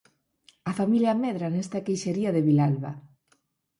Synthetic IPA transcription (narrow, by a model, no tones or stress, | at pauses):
afamiljameðɾanest̪akejʃeɾiaðeβilalβa̰